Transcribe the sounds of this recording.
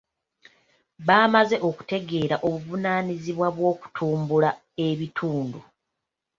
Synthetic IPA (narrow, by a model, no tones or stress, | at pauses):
βaːmaze̞ʔo̞ku̥te̞ɡe̞ːɾaʔoβuvunaːniziβwaβwo̞ːku̥tʰuːmbula | e̞βitʰuːndu